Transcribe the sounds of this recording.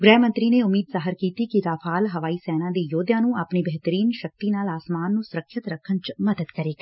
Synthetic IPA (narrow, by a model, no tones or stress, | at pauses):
ɡɾɛːmə̃nt̪ɾiːneːʊmiːd̪zaːɦəɾkiːt̪ikid̪aːpʰaːlɦəʋaːiːsɛːnãːd̪eːjoːd̪jãːnũːaːpniːbɛɦt̪əɾiːnʃək̚t̪iːnaːlaːsmaːnːũːsʊɾəkʰʃət̪ɾəkʰːənt͡ʃməd̪əd̪kəɾeːɡ